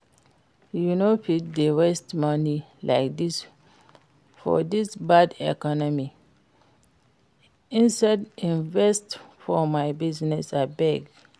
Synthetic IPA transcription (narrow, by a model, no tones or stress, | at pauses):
junopit̚dewestmʌnilʔa̰ɪk̚dis | fɔ̰disbadɛ̰kɔnɔmi | ĩnsadĩnvɛstfɔmajbiznɛsabɛɡ